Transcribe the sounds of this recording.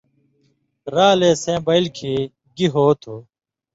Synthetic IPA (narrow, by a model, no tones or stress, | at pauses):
ɾaːleːsẽːbɐilkʰeː | ɡiɦoːt̪ʰoː